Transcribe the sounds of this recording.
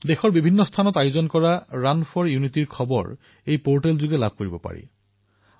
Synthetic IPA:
dexɔɹbibʱinːɔstʰanɔtajuzɔnkɔɹaɹanfʰɔɹjunitiɹkʰɔbɔ̰ɹ | ejpoɹʈelzuɡɛlab̚ʱkoɹibɔpa̰ɹḭ

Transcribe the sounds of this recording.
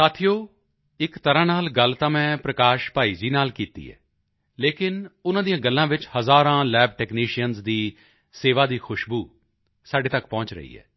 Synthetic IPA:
saːt̪ʰɪjoː | ɪkt̪əɾãːnaːlɡəlt̪aːmɛ̃ːpɾəkaːʃpaːiːd͡ʒiːnaːlkiːt̪ḭːɛ̰ː | leːkɪnʊnãːd̪ijãːɡəlːãːʋɪt͡ʃhəzaːɾãːlɛːb̚ʈɛːkniːʃijənzd̪iː | seːʋaːd̪iːxʰʊʃbuː | saːɖeːt̪əkpɔ̃ːt͡ʃɾə̰ḭːɛ̰ː

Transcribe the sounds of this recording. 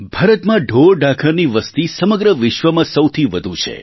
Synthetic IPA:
bʱaɾət̪mãɖʱoɾɖakʰəɾniʋəst̪isəməɡɾəʋɪʃʋəmãsəwt̪ʰiʋəd̪ʱũt͡ʃʰḛ

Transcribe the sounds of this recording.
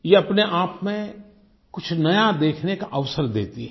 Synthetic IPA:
jeɐpneʔaːpmẽ | kʊt͡ʃʰnɐjad̪eːkʰnekaʔəʋsəɾd̪ḛːt̪iɦ

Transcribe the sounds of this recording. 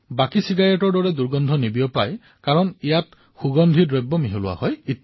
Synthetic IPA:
bakisiɡajɔʈɔɾɖɔɾed̪uɾɡɔnd̪ʱɔnibiɔpaj | kaɾɔnijat | xuɡɔnd̪ʱiɾɾebːɔmiɦelua̰hɔji

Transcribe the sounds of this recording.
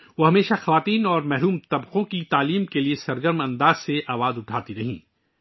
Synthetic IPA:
ʋoːɦɐmeːʃaxɐʋaːt̪iːnɔːɾmɛɦɾuːmt̪ɐbqõkit̪aːliːmkeliesɐɾɡəɾmɐ̃nd̪aːz̥seʔaːʋaːzʊʈʰaːt̪iɾɐɦḭ̃ː

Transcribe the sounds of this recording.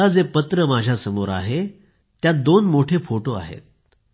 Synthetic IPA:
ad͡zepət̪ɾəmad͡ʑʱjasəmoɾa̰ɦe | t̪ːjad̪onmoʈʰefoʈoa̰ɦḛt̪̚

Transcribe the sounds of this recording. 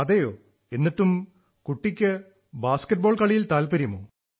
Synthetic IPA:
ɐðɐjoː | e̞nːiʈːum | kuʈːikʲːɨ | baːskɐʈ̚bo̞ːɭkɐɭijilt̪aːlpɐɾjimo̰ː

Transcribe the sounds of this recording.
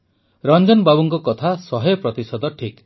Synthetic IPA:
ɾɔnd͡ʒɔnbabuŋkɔkɔt̪ʰasɔɦɔjɔpɾɔt̪isɔd̪ɔʈʰik

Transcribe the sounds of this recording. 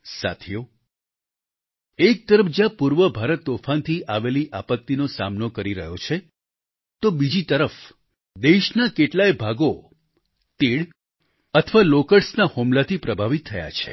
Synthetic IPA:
sa̰t̪ʰijo | ek̚t̪əɾəfd͡ʒjãpuɾʋəbʱaɾət̪ːofʰant̪ʰiʔaʋeliʔapək̚t̪inosa̰mnokəɾiɾəɦjot͡ʃʰe | t̪obid͡ʒit̪əɾəf | d̪eʃnakeʈlajbʱaɡo | t̪eɽ | ət̪ʰəʋalokəɾsnahumlat̪ʰipɾəbʱaʋit̪ʰːəja̰t͡ʃʰe̥̰

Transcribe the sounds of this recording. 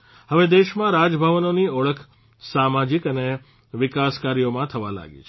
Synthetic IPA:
həʋed̪eʃmãɾad͡ʒəbʱəʋənoniəɭəkʰ | samad͡ʒikəne | ʋɪkaskaɾijomãt̪ʰəʋa̰la̰ɡḭt͡ʃʰ

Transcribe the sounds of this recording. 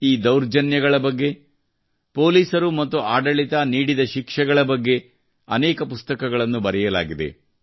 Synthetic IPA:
iːd̪ɐwɾd͡ʒɐnjɐɡɐɭɐbɐɡːe̞ | po̞ːliːsɐɾumɐt̪ːuʔaːɖɐɭit̪aniːɽid̪ɐʃikʂɛɡɐɭɐbɐɡːe̞ | ɐnɛːkɐpust̪ɐkɐɡɐɭɐnːubɐɾɛjɐla̰ːɡid̪e̞̰

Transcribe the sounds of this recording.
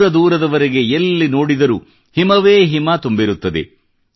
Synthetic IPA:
ɾɐd̪uːɾɐd̪ɐʋɐɾeɡe̞elːino̞ːɽid̪ɐɾu | himɐʋeːɦimat̪umbiɾut̪ːɐd̪ḛ

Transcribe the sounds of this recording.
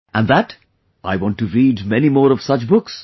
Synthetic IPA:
ʔə̃nðət | ʔaɪwɑ̃ntuɹiːdmɛnimɔːɾʌv̥sʌt͡ʃbʊks

